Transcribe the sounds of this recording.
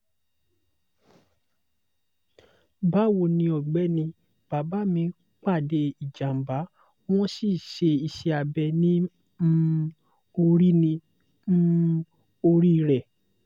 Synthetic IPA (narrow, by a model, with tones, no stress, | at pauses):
ba˦wo˧˨nĩ˧ɔ˨ɡ͡bɛ˨˦nĩ˧ | b̥a˨ba˨˦mĩ˧˦ | k͡pa˦˨de˧i˨d͡ʒa˨m̩˨ba˨˦ | w̃ɔ̃˦si˦˨ʃe˧i˧ʃɛ˧a˧bɛ˧nĩ˦ | m̩˦ | o˧ɾi˦nĩ˧ | m̩˦ | o˧ɾi˦˧ɾɛ˨